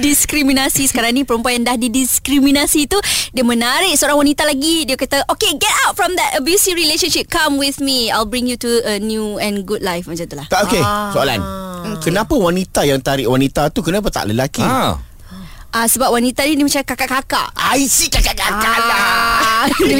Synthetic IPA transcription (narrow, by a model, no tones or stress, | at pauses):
diskɾimĩnasisə̥kaɾaŋnĩpəɾəmpuajaŋdahdidiskɾimĩnasit̪udiəmə̃naɾɪʔ̚səoɾaŋwanit̪alaɡidiəkat̪aʔokeɡɛtawt̚fɹɔ̃md̪ɛtəbjusiɹileʃə̃nʃip̚kãmwiθmiajlbɹĩŋjutuənjuɛ̃nɡudlajfmat͡ʃamt̪ulahaokesoala̰nkənãpawanit̪ajaŋt̪aɾɪʔwanit̪at̪ukənãp̬at̪a̰ʔləlaki | ʔasəbap̚wanit̪anidimə̃t͡ʃakakaʔkaka̰ʔaisikakaʔkakala